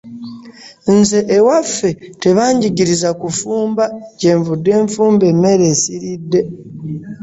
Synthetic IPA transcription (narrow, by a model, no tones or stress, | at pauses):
nze̞ʔewafe̞te̞βaːɲɟiɟiɾizakufuːmbace̞ːɱvudːe̞ːɱfuːmbe̞mːe̞ɾe̞ːsiɾidːe̞